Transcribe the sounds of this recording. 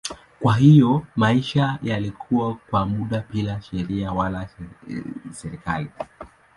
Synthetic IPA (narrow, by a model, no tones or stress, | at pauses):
kwaɦijɔmaiʃajalikʰuwakwamuɗapilaʃɛɾiawala | sɛɾika̰li